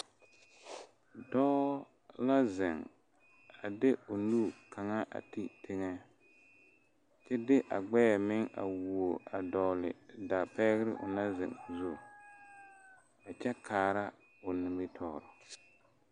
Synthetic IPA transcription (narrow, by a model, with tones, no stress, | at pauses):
dɔː˦ | la˦zɪ˨ŋ | a˨dɪ˦ʊ˨nuː˦˨ka˨ŋa˦ʔa̰˨ti˦tʰɪ˦ŋɛ˦ | t͡ʃɛ˦dɪ˦ʔa̰˨ɡ͡bɛː˦ɛ˨mɪ˦ŋa̰˨wu˨o˨a˨dɔ˨lɪ̰˨da˨pɛ˦ɣɪ˦ɾɪ˦ʔʊ̰˨na˦zɪ̰˨ŋ˨zu˦˨ | a˨t͡ʃɛ˦kʰaː˨ɾa˦ | ʊ˨nɪ˨mbɪ˦tʰɔː˦˨ɾɔ˨